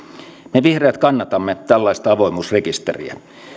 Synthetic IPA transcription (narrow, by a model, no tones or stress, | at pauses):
meʋihreːt̪kɑnːɑt̪ɑmːet̪ælːɑist̪ɑɑʋoimuːsrekist̪ḛrḭæ̰